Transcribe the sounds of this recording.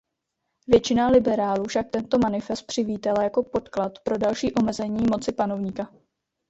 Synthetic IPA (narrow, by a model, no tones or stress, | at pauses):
vjɛt͡ʃɪnalɪbɛɾaːluːfʃak̚t̪ɛnt̪o̞manɪfɛst̪̚pr̝̥ɪviːt̪alajako̞po̞t̪klat̪pɾo̞dalʃiːʔo̞mɛzɛɲiːmo̞t͡sɪpano̞vɲiːka